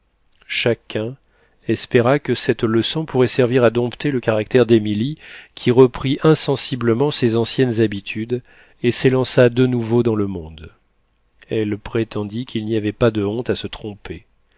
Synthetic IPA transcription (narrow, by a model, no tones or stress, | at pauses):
ʃakʲʰɛ̃ | ɛspeʁakəsɛt̪ləsɔ̃puʁɛsɛʁviʁad̪ɔ̃pt̪eləkaʁak̚t̪ɛʁd̪emilikʲʰiʁəpχiʔɛ̃sɑ̃sibləmɑ̃sezɑ̃sjɛnzabit̪ʰyd̪ | eselɑ̃sad̪ənuvod̪ɑ̃ləmɔ̃d̪ | ɛlpχet̪ɑ̃d̪ikʲʰilniavɛpad̪əɔ̃t̪asət̪χɔ̃pe